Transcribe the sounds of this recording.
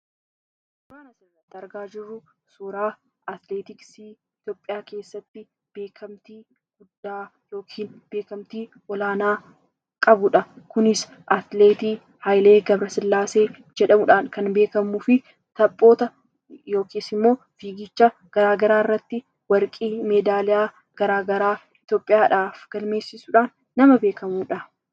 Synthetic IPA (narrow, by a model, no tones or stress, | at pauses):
ʊbaːnɐsrːɐt̪ːɪɐɾɡaːd͡ʒɪrːʊ | suːɾaː | ɐt̪leːt̪ɪksiː | ɪt̪jo̞ːpʼːɪjaːke̞ːsːɐt̪ːɪ | b̥e̞ːkʰɐmt̪iː | ɡ̥ʊd̪ːaː | jo̞ːkʰiːnbe̞ːkɐmt̪iː | ʔɔlaːnaː | kʼɐbʊᶑɐkʊnɪs | ʔɐt̪le̞ːt̪iː | hɐjleːɡɐbɾɐsɪlːaːse̞ː | d͡ʒɛᶑɐmʊᶑaːnkɐnbe̞ːkɐmuːfɪ | t̪ɐpʼːo̞ːt̪ɐ | jo̞ːkeːsɪmːo̞ː | fiːɡɪt͡ʃːɐɡ̥ɐɾaːɡɐɾaːɪrːɐt̪ːɪ | wɐɾkʼiːmeːd̪aːlɪaː | ɡ̥ɐɾaːɡɐɾaː | ɪt̪jo̞ːpʼːɪjaːᶑaːfɡ̥ɐlme̞ːsːɪsuᶑaːnːɐmɐbeːkɐmuːᶑɐ